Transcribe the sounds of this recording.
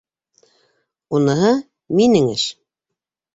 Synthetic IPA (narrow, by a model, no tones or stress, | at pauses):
unɤ̆ɦɤ | minɘŋɘ̰ʃ